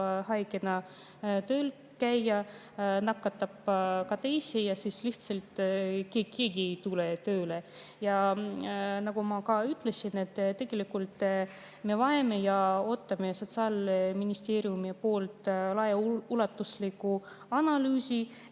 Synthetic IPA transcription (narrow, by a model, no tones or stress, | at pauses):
hɑjɡenɑ | t̪øːl | kæjːɑ | nɑkːˑɑt̪ːɑb̥kɑt̪e̞jsijɑsisliht̪selt̪ˑkeːke̞ːɡit̪ulet̪øːle | jɑ | nɑɡumɑkɑyt̪ːˑle̞sinet̪ːˑt̪ːe̞ɡ̥e̞likult̪ˑ | me̞vɑeme̞jɑo̞t̪ːɑme̞so̞t̪sɑːlminist̪e̞ːɾiumipo̞ːlt̪ˑlɑjɑulɑt̪ːuslikːˑu | ɑnɑlyːsi